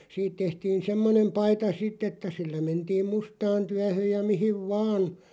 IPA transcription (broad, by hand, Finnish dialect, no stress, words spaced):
siːt tehtiːn semːonem pɑitɑ sitˑ etːæ silːæ mentiːm mustɑːn tyæhøˑj jɑ mihiʋ ʋɑːn